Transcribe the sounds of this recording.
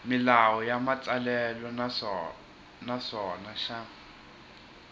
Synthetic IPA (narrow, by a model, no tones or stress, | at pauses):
mɪlawɔjamat͡salɛlɔ | nasɔnaʃa